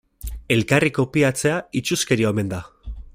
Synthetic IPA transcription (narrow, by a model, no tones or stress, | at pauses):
e̞lkariko̞piat͡se̞ait͡ʃuske̞ɾiome̞nd̪a